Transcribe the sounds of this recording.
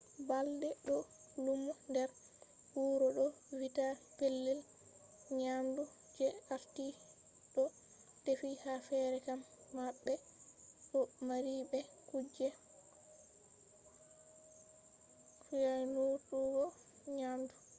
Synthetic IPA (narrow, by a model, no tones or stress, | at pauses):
baldɛɗɔlumundɛɾ | huːɾɔɗɔ | witapelːil | ɲamdu | d͡ʒɛaɾti | ɗɔ | tefihafɛɾɛkamːaɓːɛɗɔmaɾibɛkud͡ʒːɛ | kujanuɗuɡɔ | ɲamdu